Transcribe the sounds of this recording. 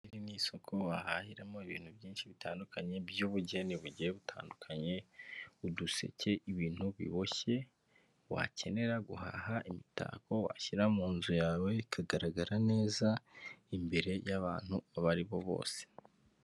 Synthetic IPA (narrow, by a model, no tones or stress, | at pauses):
iɾiniːso̞kʰo̞wahahiɾamo̞iβḭːn̥hubjiːnʃiβitʰaːndukʰaɲe̞bjuːβuɟeniβuɟeβutʰa̰ːndukʰaɲe̞uduse̞̰ce̞ʔiβiːn̥huβḭβo̞çe̞ | wa̰ce̞ne̞ɾaɡuɦa̰haʔimita̰ːkʰo̞wa̰çiɾamuːnzujaːwe̞kʰaɡaɾaɡaɾane̞ːzaimbe̞ɾe̞jaβaːn̥huaβaɾiβo̞βo̞̰ːse̥